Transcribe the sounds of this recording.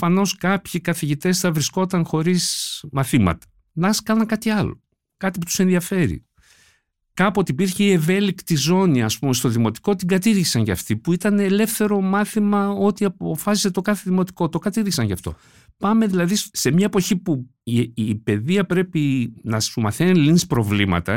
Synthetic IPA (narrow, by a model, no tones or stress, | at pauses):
fɐno̞skɐpçikɐθiʝit̪e̞sθɐvɾisko̞t̪ɐnxo̞ɾismɐθimɐ̰t̪ɐ̥ | nɐskɐnɐŋkɐt̪iɐlo̞̰ | kɐt̪ipu̥t̪u̥se̞nðiɐfe̞ɾḭ | kɐpuot̪iːpiɾçeie̞ve̞likt̪izo̞niɐspume̞st̪o̞ðimo̞t̪i̥ko̞t̪iɡɐt̪iðʝisɐnʝɐ̰ft̪ipuit̪ɐneːle̞fθe̞ɾo̞mɐθimɐo̞t̪iɐpo̞fɐsiset̪o̞kɐθe̞ðimo̞t̪i̥ko̞t̪o̞kɐt̪iðʝisɐnʝɐft̪o̞̰ | pɐme̞ðilɐðisse̞mɲɐepo̞çipu | pe̞ðiɐpɾe̞pinɐsumɐθeninlinspɾo̞vlimɐ̰t̪ɐ